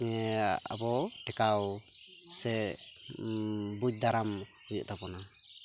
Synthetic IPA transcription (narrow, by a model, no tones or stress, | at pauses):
ŋɛa̰bɔʈɛkaw | sɛ | buc̚d̪aɾamhujɔ̰ʔt̪apɔna